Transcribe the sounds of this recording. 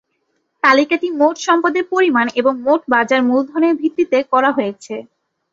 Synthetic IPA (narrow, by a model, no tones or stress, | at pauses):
t̪alikaʈimoʈʃɔmpad̪eɾpoɾimaneboŋmoʈbad͡ʑaɾmuld̪ʱɔɾneɾbʱit̪ːit̪ekɔɾaɦojet͡ɕʰe